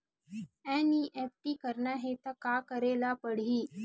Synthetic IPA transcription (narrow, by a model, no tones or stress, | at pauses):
ɛ̃ːniʔɛːp̚ʈiːkəɾnaɦet̪ɐkaːkəɾeːlapəɽ̤iː